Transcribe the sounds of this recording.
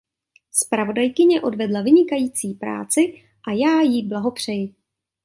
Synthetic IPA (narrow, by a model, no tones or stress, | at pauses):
spɾavo̞dajkɪɲɛʔo̞dvɛdlavɪɲɪkajiːt͡siːpɾa̰ːt͡sɪ | ʔajaːjiblaɦo̞pr̝̥ɛjɪ